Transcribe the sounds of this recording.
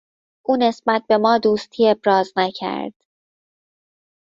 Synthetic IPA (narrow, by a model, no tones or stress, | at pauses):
ʔuːne̞sbæt̪̚be̞mɒːd̪uːst̪ʰiːe̞bɾɒːznæcʰæ̰ɾd̪̥